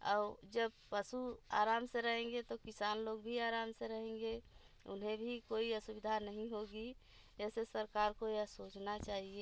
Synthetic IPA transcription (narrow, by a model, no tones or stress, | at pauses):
ɔ̰ːɾd͡ʒəbpəsua̰ːɾaːmseɾəɦẽːŋ̆ɡet̪okɪsaːnloːɡbʱiaːɾaːmseɾəɦẽŋɡe | ʊ̰nɦẽbʱikoːiəsʊbɪd̪ʱanəɦĩɦoɡi | d͡ʒɛːsesəɾkaːɾkojasoːt͡ʃnat͡ʃaːɦie